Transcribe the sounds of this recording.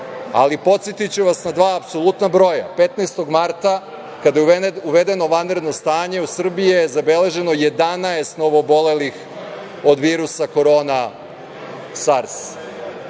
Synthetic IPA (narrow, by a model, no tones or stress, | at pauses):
a̰lipo̞t̪set̪it͡ɕuʋasnad̪ʋaːpso̞lˠut̪nabɾo̞ja̰pe̞t̪naːst̪o̞ɡmaɾt̪a | kad̪ajeuʋe̞d̪e̞no̞ʋanɾed̪no̞st̪aːɲe̞usr̩bijzabe̞le̞ʒe̞no̞je̞d̪anaest̪no̞ʋoːbo̞le̞lix | o̞d̪ʋiːɾusako̞ɾo̞ːna | saɾs